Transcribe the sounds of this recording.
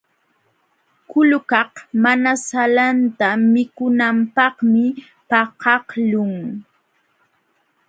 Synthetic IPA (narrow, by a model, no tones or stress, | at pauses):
kʊlʊkɑqmanasalant̪amɪkʊnampɑhmɪ | pɑqɑhlʊŋ